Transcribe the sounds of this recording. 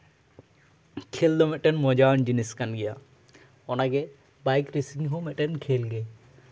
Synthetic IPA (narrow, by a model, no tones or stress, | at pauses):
kʰeld̪ɔmɛʈɛnmɔd͡ʒand͡ʒiniskanɡɛja | ɔnaɡɛ | bajkɾesiŋɦɔmɛʈɛnkʰelɡɛ